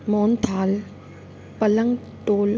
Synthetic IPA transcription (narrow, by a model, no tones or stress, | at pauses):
moːnt̪ʰaːl | pɐləŋɡ | ʈoːl